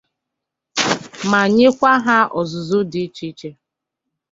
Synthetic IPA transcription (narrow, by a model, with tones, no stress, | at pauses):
ma˨ɲe˦kʷa˦ɦa˦ɔ˨zʊ˨zʊ˦dɪ˨˦t͡ʃi˦t͡ʃe˦